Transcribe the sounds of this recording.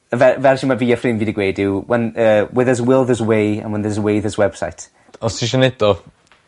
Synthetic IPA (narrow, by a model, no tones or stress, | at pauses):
əvɛvɛrʃimaviːəfrɪnviːdəɡweːdɪwwɛnəːwɪðəzwɪlˠðəzwejə̰̃nwɛnðəzwejðəzwɛb̥sa̰jtʰ | ɔsiʃ̬ənɛdɔ